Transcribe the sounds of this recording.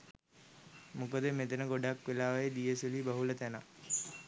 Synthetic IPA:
mukəd̪əmet̪ənəɡoɖakʋelaːʋajed̪ijəsəlibaɦulət̪æna

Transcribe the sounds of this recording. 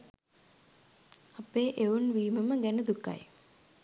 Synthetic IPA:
ɐpeːʔeunʋiːməməɡɛnəd̪ukːa̰j

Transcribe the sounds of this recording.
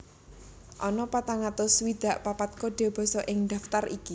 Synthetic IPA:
ʔɔnɔpat̪aŋat̪ʊswid̪̥a̤ʔpapat̪̚kod̥e̤b̥ɔ̤sɔʔɪŋd̪̥a̤ft̪ariki

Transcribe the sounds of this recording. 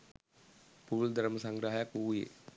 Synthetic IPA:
puld̪aɾməsaŋɡɾaɦjakujḛ

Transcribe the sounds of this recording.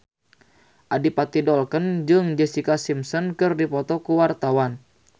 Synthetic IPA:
ʔadipat̪idɔlkənd͡ʒɨŋd͡ʒɛsikasimsɔnkɨrdipɔt̪ɔkuwart̪awan

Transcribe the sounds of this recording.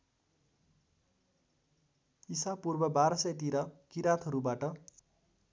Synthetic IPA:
isapurbʌbaɾʌsʌjt̪̬iɾʌkiɾat̪ʰʌɾubaʈʌ

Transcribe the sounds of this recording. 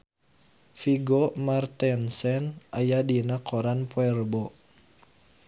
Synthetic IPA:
fiɡomart̪ɛnsɛnʔajadinakʰoɾanpwɛrbɔ

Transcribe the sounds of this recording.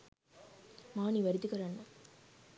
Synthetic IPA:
maːniʋɐɾɪt̪ːɯkːɐɾanːa

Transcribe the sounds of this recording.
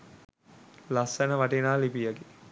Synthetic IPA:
lasənəʋaʈenaːlipijaɡe

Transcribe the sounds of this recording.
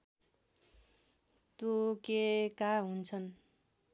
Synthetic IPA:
t̪okekaɦunt͡sʰʌn

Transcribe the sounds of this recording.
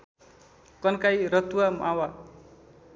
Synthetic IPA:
kʌnkajɾʌt̪uamʔawa

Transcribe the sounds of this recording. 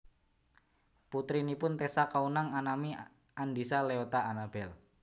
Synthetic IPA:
put̪ɾinipʊnt̪esakaunaŋanami | and̪isaleot̪aanab̥ɛl

